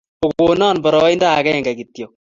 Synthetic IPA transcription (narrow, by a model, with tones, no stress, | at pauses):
o˨ko˨nɔː˦˨nbɔ˨ɾɔ˦i˦nda˦˨kɛ˦˨ŋɡa˨ki˨tjɔ˨